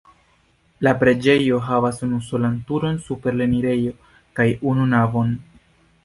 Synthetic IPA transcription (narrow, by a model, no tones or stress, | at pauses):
lapɾe̞d͡ʒe̞jo̞ɦavasunuso̞lantuɾo̞nsupe̞ɾle̞niɾe̞jo̞ | kajununavo̞n